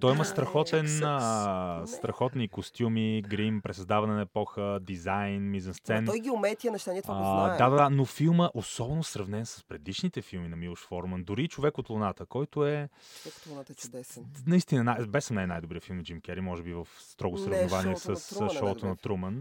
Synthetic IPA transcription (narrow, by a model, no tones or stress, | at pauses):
t̪ɔjiməst̪ɾɐxɔt̪ɛn | st̪ɾɐxɔt̪nikost̪ʲjumiɡɾimpɾɛsɐzd̪avɐnɛnɐɛpɔxəd̪izajnmizɐnst̪sɛnt̪ɔjɡʲiʊmɛt̪iɐnɛʃt̪aniɛt̪vad̪ad̪ad̪anofilˠməʔosɔbɛnosɾɐvnɛnsə̥spɾɛd̪iʃnit̪ɛfilˠminɐmilˠoʃfɔɾmənd̪ʊɾit͡ʃovɛkot̪lˠonat̪əkɔjt̪ʊɛ | nɐist̪inənabɛsəmnajnajd̪ʊbɾijəfilˠmd͡ʒimkʲɛɾimɔʒɛbivəfst̪ɾɔɡʊsɾɐvnovaniɛsəsʃɔt̪onɐt̪ɾumən